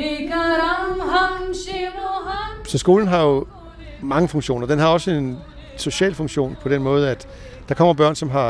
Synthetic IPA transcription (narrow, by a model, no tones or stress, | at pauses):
eɡaɾamɦamɕeʋoɦasɒ̽sɡ̥o̝̰ːln̩ɦɑ̈jo̝ | mɑ̈ŋəfɔ̽ŋɕo̝̰ːnɐd̥enɦɑ̈ɒ̽səe̝n | so̝ɕɛ̰ːlfɔ̽ŋɕo̝̰ːnpʰɒ̽d̥enmɔ̽ːð̞̩ˠæd̥ | d̥ɑ̈kʰɒ̽m̰ɐb̥ɶɐnsɒ̽mɦɑ̈